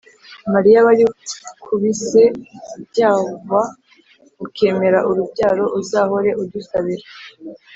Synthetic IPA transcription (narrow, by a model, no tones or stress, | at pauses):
maɾijaβaɾikʰuβise̞bɟaːva | ukʰe̞ːme̞ɾaʔuɾubɟaːɾo̞ʔuzaːho̞ɾe̞ʔuɾdusaβiɾe